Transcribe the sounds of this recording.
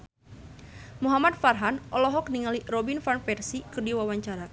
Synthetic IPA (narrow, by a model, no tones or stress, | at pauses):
muɦamat̪̚farɦanʔɔlɔɦɔk̚niŋalirɔbinfanfɛrsikɨrdiwawaɲt͡ʃaɾa